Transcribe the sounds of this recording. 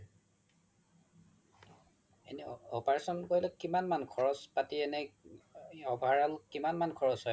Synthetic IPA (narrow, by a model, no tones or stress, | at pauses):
enɛɔpaɹasɔnkojlɛkimanmankʰɔɹɔspatiɛnɛ | ɔbʱaɹalʊkkːimanmankʰɔɹɔsɦɔj